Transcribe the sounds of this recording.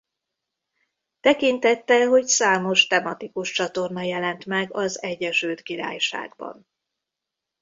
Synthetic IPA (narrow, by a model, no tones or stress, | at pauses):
t̪ɛkint̪ɛt̪ːɛlɦo̞csaːmo̞ʃt̪ɛmɒt̪ikuʃt͡ʃɒt̪o̞rnɒjɛlɛnt̪mɛɡɒzɛɟːɛʃølt̪kiɾa̰ːjʃa̰ːɡbɒ̰n